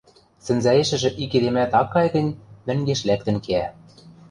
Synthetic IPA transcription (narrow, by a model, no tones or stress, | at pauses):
sɘ̆nzæeʃɘ̆ʒɘ̆ʔikeɾemæt̪ɑkːɑjɣɤ̆nʲmɘ̆ŋɡeʃlæk̚t̪ɘ̆nkeæ